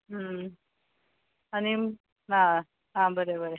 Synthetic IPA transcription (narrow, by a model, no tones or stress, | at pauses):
ɦə | ani | a | ɦãbəɾebəɾe